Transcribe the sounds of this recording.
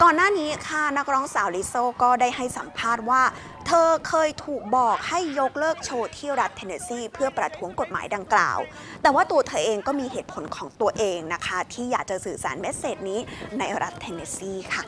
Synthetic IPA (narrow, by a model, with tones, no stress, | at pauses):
kɔː˨˩nːaː˥˩niː˦˥kʰa˥˩na˦˥k̚ɾɔː˦˥ŋsaː˨˩˦wli˦˥soː˥˩kɔː˥˩daː˥˩jha˥˩jsa˩˦mpʰaː˥˩t̪̚waː˥˩ | t̪ʰɤː˧kʰɤː˧jt̪ʰuː˨˩k̚bɔː˨˩k̚ha˥˩jːo˦˥k̚lɤː˥˩k̚t͡ɕʰoː˧t̪ʰi˥˩ɾa˦˥t̪ʰːe˧neː˧siː˥˩pʰɯ˥˩ɐpɾa˧t̪ʰu˦˥əŋko˨˩t̪̚ma̰ː˩˦jda˧ŋkla̰ː˨˩w | t̪ɛː˨˩waː˥˩t̪u˧ɐt̪ʰɤː˧ʔeː˧ŋkɔː˥˩miː˧heː˨˩t̪̚pʰo˩˦nkʰɔː˩˦ŋt̪u˧ɐʔeː˧ŋna˦˥kʰa˦˥t̪ʰiː˥˩jaː˨˩k̚t͡ɕa˨˩sɯː˨˩sa̰ː˩˦nme˦˥t̪̚seː˨˩t̪̚niː˦˥na˧jɾʔa˦˥t̪ʰːe˧neː˧siː˥˩kʰa˥˩